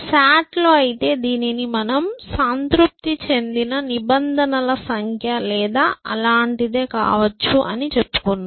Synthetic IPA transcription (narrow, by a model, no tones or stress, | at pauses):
saːʈlo̞ːɐjit̪e̞ːd̪iːninimɐnɐmsɐnt̪ɾup̚t̪it͡ʃe̞nd̪inɐnibɐnd̪ʱɐnɐlɐsɐŋkʰjɐlɛːd̪aːɐ̰laːɳʈid̪e̞ːka̰ːʋɐt͡ʃːuʔɐnit͡ʃe̞pːu̥kunːa